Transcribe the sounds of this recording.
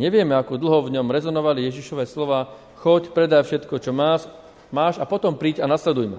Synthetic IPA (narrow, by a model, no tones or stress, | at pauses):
ɲɛʋɪɛmɛakɔd̪l̩ɦɔvɲɔmɾɛzɔnɔʋalijɛʒiʃɔʋɛːslɔʋaː | xɔcpɾɛd̪ajfʃɛt̪kɔt͡ʃɔmaːʃ | maːʃapɔt̪ɔmpɾiːɟanaslɛd̪ujmɛ̰